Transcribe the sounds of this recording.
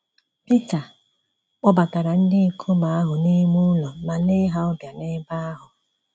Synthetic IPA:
pi˦ta˨ | k͡pɔ˦ba˨ta˨ɾa˨n̩˦dɪ˦˨kʰo˦ma˨a˦ɦʊ˨ni˦mu˦lɔ˨ma˨nɪ˦ɦa˦ɔ˦bja˨nɪ˦ba˦a˦ɦʊ˨

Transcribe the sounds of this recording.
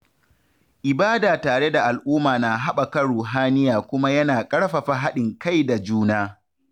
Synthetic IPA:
ʔɪ˨baː˦daː˨taː˨ɽe˦da˨ʔa˨lʔʊː˦maː˨na˨ɦa˦ɓa˨kɐ˦ɽuː˨ɦaː˦nɪ˦jaː˨kʷʊ˦ma˦jɐ˦naː˨kʼɐ˦ɽɸa˨ɸa˨ɦa˦ɗɪ˨ŋka˦˨jda˨d͡ʒuː˦naː˦

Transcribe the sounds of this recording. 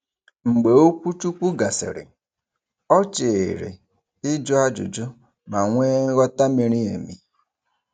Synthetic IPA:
ŋ͡m̩˨ɡ͡be˨o˦kʷu˦t͡ʃu˦kʷu˦ɡa˨sɪ̰˨ɾɪ̰˨ | ɔ˦t͡ʃe˨ɾḛ˨ | ɪ˦d͡ʒʊ˦a˦d͡ʒʊ̰˨d͡ʒʊ˦ | ma˨ŋʷeː˦ɣɔ˦ta˦mi˨ɾi˦ḛ˨mḭ˨

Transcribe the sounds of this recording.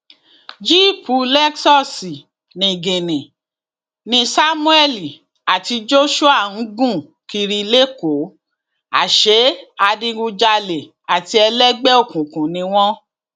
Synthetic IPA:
d͡ʒi˦˨pu˨˧˦lɛ˦ksɔ˦˨si˨ | nĩ˨ɡe˨nĩ˨ | nĩ˧sa˦mũ˦ɛ˦˨li˨ | a˨ti˧d͡ʒo˦ʃu˦a˦˨n̩˨˦ɡũ˦˨ | ki˧ɾi˧le˦ko˨˦ | a̰˨ʃe˨˦a˧dĩ˧ɡu˧d͡ʒa˧le˨ | a˨ti˧ɛ˧lɛ˦ɡ͡bɛ˦o˦˨kũ˨kũ˨nĩ˧w̃ɔ̃˦

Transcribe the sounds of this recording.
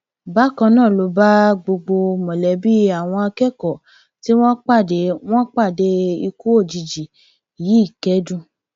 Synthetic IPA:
ba˦kɔ̃˧˦nãː˦˨lo˨˧˦ba˦ɡ͡bo˧ɡ͡bo˧mɔ̃˨lɛ˨˦bi˦a˨w̃ɔ̃˧a˧kɛ˦kɔ˨ | ti˦w̃ɔ̃˦k͡pa˦˨de˨˦w̃ɔ̃˦k͡pa˦˨de˧i˧ku˦o˦˨d͡ʒi˨d͡ʒi˨ | ji˨˦i˦˨kɛ˦dũ˦˨

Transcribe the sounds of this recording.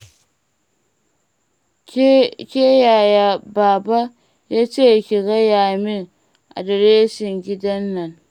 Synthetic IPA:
kʲe˦ja˨ja˨baː˨ba˦ | ja˦t͡ʃe˦˨kʲi˨ɡa˦ja˨mi˦ | a̰˨da˨ɾe˦ʃi˨ŋɡʲi˦da˦nːa˨n

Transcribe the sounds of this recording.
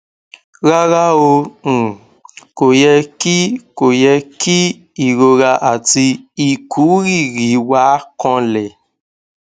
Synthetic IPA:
ɾa˦ɾa˦õ˧˨ | ko˨jɛ˧ki˦ko˨jɛ˧ki˦ | i˨ɾo˧ɾa˧ʔa˨ti˧i˨ku˨˦ɾi˦˨ɾi˨˦wa˨˦kɔ̃˧lɛ˨

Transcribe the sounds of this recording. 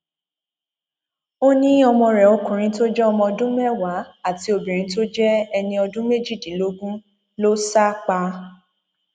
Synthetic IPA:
o˦nĩ˦ɔ˧mɔ̃˧ɾɛ˨o˨˧kũ˨ɾ̃ĩ˨˧to˦d͡ʒɛ˦ɔ˧mɔ̃˧ɔ˧dũ˦mɛ˦˨wa˨˦a˦˨ti˨˦o˧bĩ˨ɾ̃ĩ˨˧˦to˦d͡ʒɛ˦ɛ˧nĩ˧ɔ˧dũ˦me˦˨d͡ʒi˦˨dĩ˨˦lo˦ɡũ˦ | lo˦sa˦k͡pa˧

